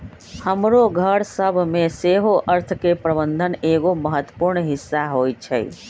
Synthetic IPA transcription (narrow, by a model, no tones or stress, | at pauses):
həmɾoɡʱəɾsəbʱmẽseɦoʔəɾt̪ʰkepɾəbə̃nd̪ʱəneːɡoməɦət̪wə̥puɾɳɦɪsːaɦojt͡ʃʰɛ̰